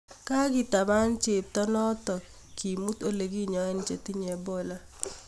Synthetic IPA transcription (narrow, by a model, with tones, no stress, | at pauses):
ka˦ɡɪ˦˨ta˨ma˦nt͡ʃɪ˨p̚tɔ˦nɔ˦tɔ˨ | ki˨mu˦to˦le˨ɡi˦ɲɔ˨ɛ˦nt͡ʃe˨tɪ˦ɲɛ˨bɔ˦˨la˦